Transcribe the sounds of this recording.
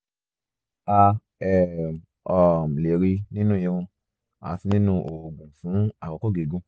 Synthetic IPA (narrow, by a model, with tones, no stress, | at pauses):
a˧ | ɛ˨ | ɔ˨m˨le˨ɾi˧nĩ˦nũ˦jĩ˧ɾũ˧ | a̰˨˦fi˧nĩ˦nũ˦ʔo˨ɡũ˨fũ˨˦a˨kɔ˨˧kɔ˦˨ɡe˨ɡũ˧˦